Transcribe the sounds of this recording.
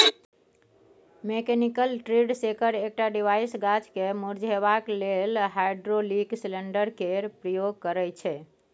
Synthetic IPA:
mekɛnikəlʈɾiɖsekəɾek̚ʈaɖiʋajsɡat͡ʃkemuɾd͡ʒʱeβaklelɦajɖɾoliksleɳɖəɾkeɾpɾəjoɡkəɾɛt͡ʃʰɛ

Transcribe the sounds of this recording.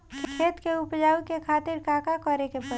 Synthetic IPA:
kʰkʰeːt̪keʊpd͡ʒaːwikekʰaːt̪ɪɾkaːkakɔɾekepə

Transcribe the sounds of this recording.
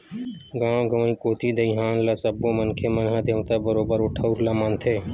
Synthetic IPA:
ɡãːɡʱəʋəĩːkoːt̪ʰiːd̪əĩɦãːnlaːsəbːõːmənkʰeːmənɦãːd̪ʱeʋt̪aːbəɾoːbəɾʊʈʰəuɾlaːmaːnt̪ʰeː

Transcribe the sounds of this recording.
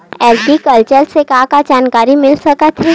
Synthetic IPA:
ɛːlʈikɐlt͡ʃəɾsekãːkad͡ʒaːnkaːɾimɪlsɐkət̪ʰɛ

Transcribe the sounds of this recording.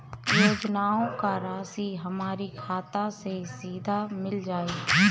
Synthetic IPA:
joːd͡ʒnaːõkaɾaːsiɦɐmaːɾikʰaːt̪asesiːd̪ʱamɪld͡ʒaːiː

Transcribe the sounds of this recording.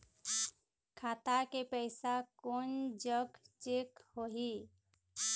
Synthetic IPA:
kʰaːt̪akepəɪsakond͡ʒəɡt͡ʃekhoɦi

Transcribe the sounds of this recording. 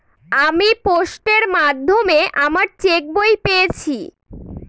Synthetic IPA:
amipoʃʈeɾmad̪ʱːomeʔamaɾt͡ɕek̚bojpeet͡ɕʰi

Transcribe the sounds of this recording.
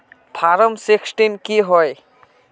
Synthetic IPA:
pʰaɾəmsiksʈimkiɦɔj

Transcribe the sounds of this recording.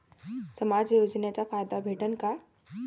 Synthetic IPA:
sɐmaːd͡ʒjoːd͡ʒnet͡ʃafaːjd̪abʱeːʈənka

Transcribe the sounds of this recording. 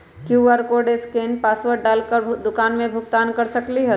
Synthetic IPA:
kjuːʋəɾkoɖeskeːnpaːsʋəɾ̚ɖaːlkəɾbʱd̪ʊkaːnmẽbʱʊɡt̪aːnkɐɾsəkliɦɛ

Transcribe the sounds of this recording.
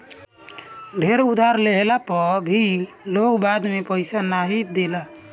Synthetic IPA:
ɖʱeɾud̪ʱaɾleɦelapɔbʱi | loɡbad̪mepəɪsanaɦid̪ela

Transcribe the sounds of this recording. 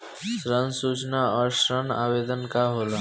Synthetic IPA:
sɾənsut͡ʃnaɔːɾʃɾəna̰bed̪ənkaɦolo

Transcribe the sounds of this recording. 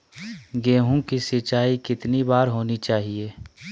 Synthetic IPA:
ɡeːɦũkisɪt͡ʃaːikɪt̪nibaːɾɦoːnit͡ʃaːɦieː

